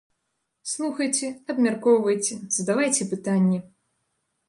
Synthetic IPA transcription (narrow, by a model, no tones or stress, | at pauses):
slˠuxɐjt͡sʲɛɐbmʲarkɔwvɐjt͡sʲɛzɐd̪avajt͡sʲɛpɨt̪anʲːɛ